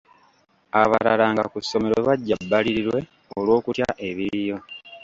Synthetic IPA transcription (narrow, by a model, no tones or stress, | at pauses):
aβaɾalaːŋɡa̰kusːo̞me̞ɾoβaɟːabːaliɾiɾwe̞ | olwo̞ːkutjaʔe̞βiɾijo̞